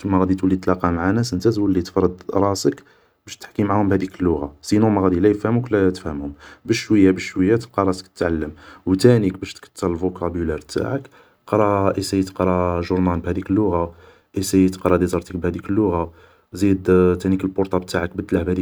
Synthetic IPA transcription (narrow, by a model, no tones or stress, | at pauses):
mæɣæd̪it̪wəlːid̪t̪lɑqɑmaʕanæsənt̪æzwəlːit̪ə̥fɾˤəd̪ɾˤɑsək | bæʃt̪ħkimaʕahʊmbhæd̪ikəlːʊɣasinumæɣæd̪ilæjəfhəmuklæt̪əfhəmhʊmbəʃwəjːabəʃwəjːæt̪lqɑɾˤɑsə̥kt̪ət̪ʕalːəmwt̪ænik̚bæʃt̪kə̥t̪ːəɾˤlvokʰæbulɑɾt̪a̰ʕək | qɾˤɑʔisæjət̪qɾˤɑʒʊɾnɑlbhæd̪ikəlːʊɣa | ʔisæjət̪qɾˤɑd̪izˤɑɾˤt̪ək̚bhæd̪ikəlːʊɣa | zid̪t̪ænikəlbʊɾt̪ˤɑb̚t̪aʕək̚bəd̪ːlaħbhæd̪i